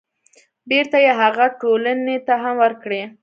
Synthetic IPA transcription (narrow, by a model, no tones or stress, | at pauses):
beɾt̪ajeɦaɣaʈolanet̪aɦamwəɾkɽe